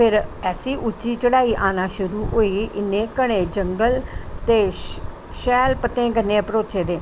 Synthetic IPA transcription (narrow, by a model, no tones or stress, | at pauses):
pʰɪɾɛːsiːʔʊt͡ʃːiːt͡ʃəɽaːiːʔaːnaːʃʊɾuːʔoːiːʔɪnːẽːkəɽ̃ẽːd͡ʒəŋɡəlt̪eː | ʃɛːlpət̪ːẽːɡənːẽːpəɾoːt͡ʃeːd̪eː